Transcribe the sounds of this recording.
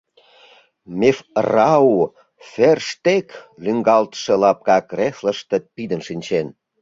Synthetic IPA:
mefrɑu | ferʃt̪eklyŋɡɑlt̪ə̥ʃĕlɑp̚kɑkrefləʃt̪epid̪ənʃinʲt͡ɕen

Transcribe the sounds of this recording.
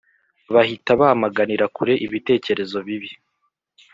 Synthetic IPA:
βahitaβahamaɡaniɾakuɾe̞ʔiβite̞ːce̞ɾe̞zo̞βiβi

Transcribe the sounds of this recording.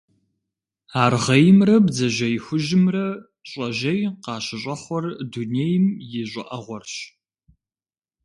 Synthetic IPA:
aːrʁɐjɪmrɐbzɐʒɐjxʷʊʒɪmrɐ | ɕʼɐʒɐjqɑːɕɪɕʼɐχʷɔrdunejɪmjɪʑʷʼɪʔɐʁʷɔrɕ

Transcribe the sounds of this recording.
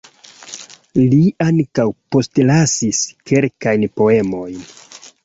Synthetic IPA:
liaŋkawpo̞stlasiske̞lkajnpo̞e̞mo̞jn

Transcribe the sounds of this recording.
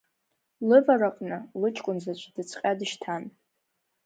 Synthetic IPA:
lɨvaraqʼnɨlɨt͡ʃʼkʷʼʊnzat͡ʃʷʼdɨt͡sʰqʲʼadɨʃtʰan

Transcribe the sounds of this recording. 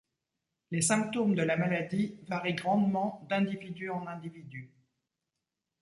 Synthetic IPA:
lesɛ̃p̚t̪omd̪əlamalad̪ivaʁiɡʁɑ̃d̪mɑ̃d̪ɛ̃d̪ivid̪yɑ̃nɛ̃d̪ivid̪y

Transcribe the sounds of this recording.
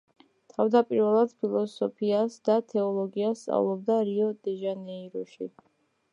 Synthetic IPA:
t̪ʰavd̪apʼiɾvɛlˠad̪̥pʰilˠɔsɔpʰiasd̪at̪ʰɛɔlˠɔɡiast̪sʼa̰vlˠɔbd̪aɾiɔd̪̥ɛʒanɛiɾɔʃḭ

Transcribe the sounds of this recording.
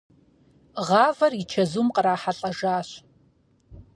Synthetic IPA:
ʁɑːvɐrit͡ʃʰɐzumqəɾaːħaɬʼɐʒaːɕ

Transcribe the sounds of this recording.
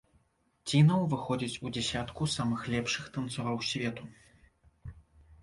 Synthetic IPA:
t͡sʲinɐwvɨxɔd͡zʲit͡sʲud͡zʲɛsʲat̪kusamɨxlʲɛpʂɨxt̪ɐnt̪sɔɾɐwsʲvʲɛt̪u

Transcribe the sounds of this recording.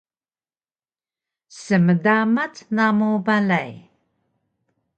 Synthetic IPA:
səmədamatnamobalaj

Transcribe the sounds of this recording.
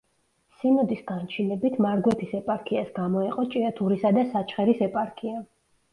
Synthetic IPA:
sinɔd̪isɡant͡ʃʰinɛbit̪ʰmaɾɡwɛp̪ʰisɛpʼaɾkʰiasɡamɔɛqʼɔt͡ʃʼiat̪ʰuɾisad̪asat͡ʃʰχɛɾisɛpʼaɾkʰia

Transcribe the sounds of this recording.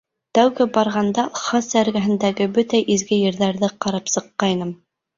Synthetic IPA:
t̪æwɡɘbɑɾʁɑnd̪ɑχɑsæɾɡæɦɘ̆nd̪æɡɘbɵt̪æʔizɡɘjɘ̆ɾðæɾðɘqɑɾɑpsɤ̆qːɑjnɤm

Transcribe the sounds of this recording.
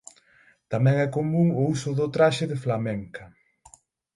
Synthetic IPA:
t̪amɛ̃ŋɛkomũŋʊusʊðʊt̪ɾaʃɪðɪflamɛŋkɐ

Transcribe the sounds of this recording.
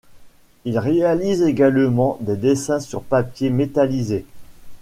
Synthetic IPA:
ilʁealizeɡalmɑ̃d̪ed̪esɛ̃syʁpapjemet̪alize

